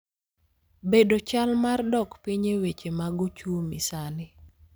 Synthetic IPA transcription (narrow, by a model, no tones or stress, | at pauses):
bedot͡ʃalmardɔkpiɲewet͡ʃemaɡɔt͡ʃuomisanɪ